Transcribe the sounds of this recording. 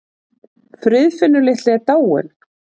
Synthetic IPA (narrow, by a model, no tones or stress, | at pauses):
fɾʏðfɪnːʏlɪht̪lɪɛɾt̪aːwɪ̰n